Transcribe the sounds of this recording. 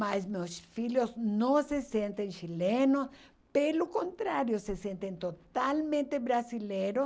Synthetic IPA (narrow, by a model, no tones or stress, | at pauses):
masmewsfiljʊznõsesẽnt̪ẽŋʃilenʊs | pelʊkõnt̪ɾaɾjʊsesẽnt̪ẽnt̪ot̪almẽnt̪ebɾasileɾʊ